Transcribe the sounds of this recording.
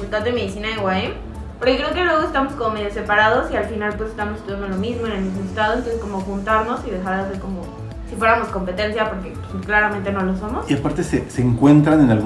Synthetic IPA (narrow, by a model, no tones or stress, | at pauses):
ut̪at̪eme̞ð̞isinaðeɣwaem | poɾkekɾe̞ok̬elwe̞ɣ̞o̞est̪amo̞sko̞mome̞ðjose̞paɾað̞o̞sialfinalpwesest̪amosest̪uðjand̪o̞lomizmoe̞nelmizmoest̪aðo̞ent̪osesko̞moxunt̪aɾno̞siðe̞xaɾðes̬e̞ɾko̞mo | sifwe̞ɾamo̞sko̞mpe̞t̪e̞nsjapo̞ɾkesklaɾamẽ̞nt̪eno̞lo̞somo̞siapaɾt̪e̞seseːŋkwe̞nt̪ɾanenalɣ